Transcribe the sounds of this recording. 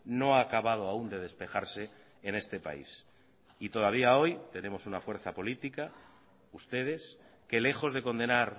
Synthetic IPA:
no̞akaβað̞o̞aund̪e̞ðe̞spe̞xaɾse̞ː | ne̞st̪e̞pa̰ḭs | it̪o̞ðaβ̞iao̞jt̪e̞nẽ̞mo̞sunafwe̞ɾθapo̞lit̪ika | ust̪e̞ð̞e̞s | ke̞le̞xo̞zðe̞ko̞nd̪e̞naɾ

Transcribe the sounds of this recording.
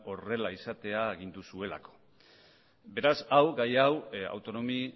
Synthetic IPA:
o̞re̞laisat̪e̞aeɣ̞ind̪usue̞la̰ko̥ | be̞ɾasawɡajawa̰wt̪o̞no̞mi

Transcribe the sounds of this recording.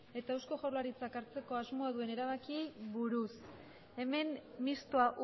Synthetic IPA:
e̞t̪aewsko̞ʝawlaɾit͡sakaɾt͡se̞ko̞azmo̞aðue̞ne̞ɾaβ̞akiβuɾus | e̞me̞nmist̪oaʔ

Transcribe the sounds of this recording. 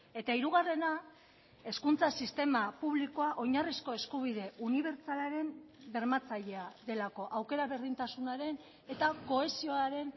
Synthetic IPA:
e̞t̪aiɾuɣare̞na | e̞skunt͡sasist̪e̞mapuβliko̞aʔo̞ɲarisko̞e̞skuβ̞iðe̞ʔuniβ̞e̞ɾt͡salaɾe̞mbe̞ɾmat͡saʎe̞aðe̞lako̞ʔawke̞ɾaβe̞ɾðint̪asunaɾe̞n | e̞t̪ako̞e̞sio̞aɾe̞n

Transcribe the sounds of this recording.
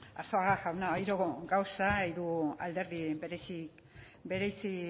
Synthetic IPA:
aɾsoaɣaʝawnaojɾoɣoɡawsaiɾua̰ld̪e̞ɾðibe̞ɾesik | be̞ɾejsi

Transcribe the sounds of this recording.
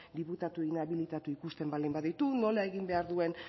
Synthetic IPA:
d̪iput̪at̪ueinaβilit̪at̪uikust̪e̞mbald̪imbaðit̪uno̞lae̞ɣimbe̞aɾðue̞n

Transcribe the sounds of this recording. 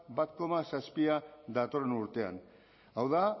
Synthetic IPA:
bat̪ko̞masaspiad̪at̪o̞renuɾt̪e̞a̰n | awða

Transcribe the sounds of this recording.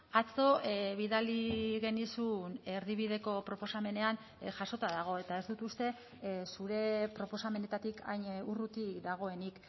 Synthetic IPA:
at͡so̞βiðaliɣe̞nisune̞ɾðiβ̞iðe̞ko̞pɾo̞po̞same̞ne̞an | ʝaso̞t̪aðaɣ̞o̞e̞t̪aezd̪ut̪ust̪e̞ | suɾe̞pɾo̞po̞same̞ne̞t̪at̪ikʰa̰jɲurut̪iðaɣ̞o̞e̞nik

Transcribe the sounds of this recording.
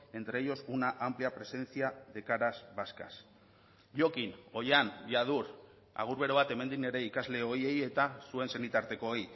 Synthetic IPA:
e̞nt̪ɾejo̞sunaʔampliapɾe̞se̞nt͡siaðe̞kaɾazβaska̰s | ʝo̞kino̞janjaðuɾ | a̰ɣ̞uɾβe̞ɾoβat̪e̞me̞nd̪ine̞ɾe̞ikazle̞o̞je̞je̞t̪asue̞nse̞nit̪aɾt̪e̞ko̞oj

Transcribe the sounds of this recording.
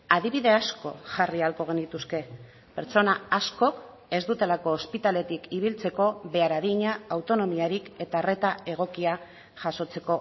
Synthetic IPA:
aðiβiðe̞asko̞ʝarialko̞ɣ̞e̞nit̪uske̞ | pe̞ɾt͡so̞naasko̞k | e̞zd̪ut̪e̞lako̞ːspit̪ale̞t̪ikiβ̞ilt͡se̞ko̞βe̞aɾaðiɲaawt̪o̞no̞miaɾike̞t̪are̞t̪ae̞ɣ̞o̞kia | ʝaso̞t͡se̞ko̞

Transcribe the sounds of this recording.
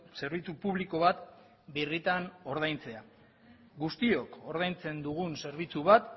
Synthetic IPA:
se̞ɾβ̞it͡supuβliko̞βat̪ | birit̪ano̞ɾð̞ajnt͡se̞a | ɡust̪io̞ko̞ɾð̞ajnt͡se̞nd̪uɣunse̞ɾβit͡suβat̪

